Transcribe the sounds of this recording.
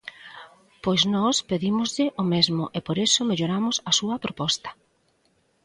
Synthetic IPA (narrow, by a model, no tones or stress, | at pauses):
pojznɔspeðimʊzʎɪʔomezmʊ̰ʔepoɾesʊmeʎoɾamʊsɐsuɐpɾopɔst̪ɐ̥